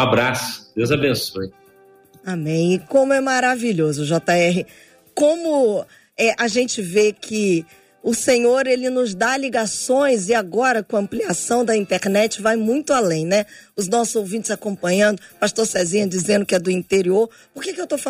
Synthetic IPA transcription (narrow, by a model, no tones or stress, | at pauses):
abɾasʊ̥d̪ewzabẽsoj | amẽj̃kõmʊɛmaɾaviʎozʊʒɔt̪aɛɦɪ | kõmʊ | ɛʔaʒẽnt͡ʃɪvekʰɪ | ʊsẽɲoɾelɪnʊzd̪aliɡasõj̃zɪaɡɔɾɐkõɐɐ̃mpliasɐ̃w̃d̪ɐĩnt̪eɾnɛt͡ʃɪvajmũj̃t̪ʊalẽj̃nɛʊznɔsʊzowvĩnt͡ʃɪzakõpɐ̃ɲɐ̃nd̪ʊpast̪oɾsɛzĩɲɐd͡ʒizẽnd̪ʊkɪɛd̪ʊĩt̪eɾioɾ | poɾkekɪewt̪ofa